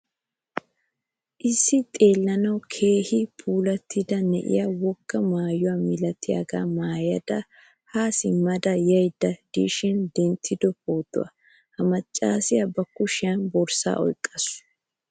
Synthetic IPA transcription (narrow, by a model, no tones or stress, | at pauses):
ʔɪsːɪt̪ʼe̞ːlːɐnɐwkʰe̞ːhɪpʰuːlɐt̪ʰːɪd̪ɐnɛ̰ʔɪ̰jɐwɔɡ̥ːɐmaːjʊwamɪlɐt̪ʰːɪjɐ̰ɡa̰ːmaːjɐd̪ɐ | haːsɪmɐd̪ɐjɐjd̪ːɐd̪̥iʃɪnd̪ɛnt̪ʰːɪd̪ɔpʰoːt̪ːʊ̰wɐ̰ | hɐmɐt͡ʃʼːaːsɪjɐbɐkːʊʃɪjɐnbɔɾsa̰ːʔɔ̰jkʼːɐs